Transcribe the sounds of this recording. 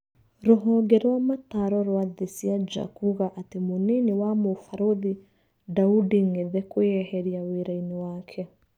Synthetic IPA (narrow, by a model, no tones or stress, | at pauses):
ɾoɦɔɡɛɾwamataɾɔɾwaðesiad͡ʒa̰kuɣaʔatemonenewamofaɾoði | daudiŋeðɛkwɛhɛɾiaweɾainewaːkʰɛ